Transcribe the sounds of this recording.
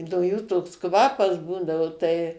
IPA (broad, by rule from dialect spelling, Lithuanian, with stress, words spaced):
noː ˈjuː toːks ˈkʋɑːpɐs ˈbuːdɐʋʊ tɐɪ